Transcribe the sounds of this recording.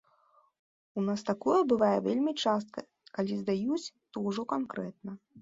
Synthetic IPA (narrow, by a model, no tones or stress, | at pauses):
unast̪akɔjɐbɨvajɛvʲelʲmʲit͡ʂast̪̚kɐ | kalʲizd̪ajut͡sʲt̪ɔwʐɔkankɾɛt̪̚nɐ